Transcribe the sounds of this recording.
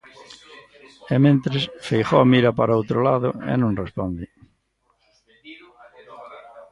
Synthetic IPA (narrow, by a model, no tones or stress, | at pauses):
emẽnt̪ɾesfejχoamiɾɐpaɾaowt̪ɾolaðʊḛnõŋrespɔnd̪ɪ